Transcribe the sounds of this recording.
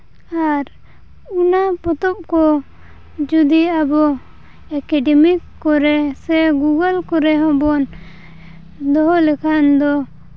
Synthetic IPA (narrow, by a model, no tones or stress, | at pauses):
aɾ | unapɔt̪ɔp̚kɔ | d͡ʒud̪iabɔ | ɛkɛɖɛmikːɔɾɛsɛɡuɡəlkɔɾɛɦɔ̃bɔn | d̪ɔɦɔlɛkʰand̪ɔ